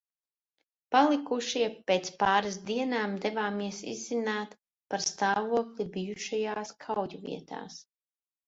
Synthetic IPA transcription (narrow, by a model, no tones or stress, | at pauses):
palˠikuʃiɛpeːt̪spaːɾasd̪iɛnaːmd̪ɛvaːmiɛsḭzzinaːt̪ | paɾst̪aːvuɔklʲibijuʃajaːskʰawjuvḭɛt̪ʰa̰ːs